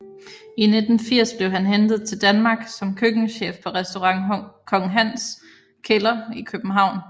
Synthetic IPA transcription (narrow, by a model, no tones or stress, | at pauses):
ine̝d̥n̩fiɐ̰sb̥le̝ʊɦænɦend̥ð̩ˠt͡sʰe̝ld̥ænmɑ̈ːɡ̥sɒ̽mkʰøɡ̥ŋ̩ɕḛːfpʰɒ̽ʁɛsd̥o̝ʁɑŋ̰kʰɒ̽ŋɦæn̰s | kʰe̝lɐikʰøb̥n̩ɦɑ̈ʊ̰n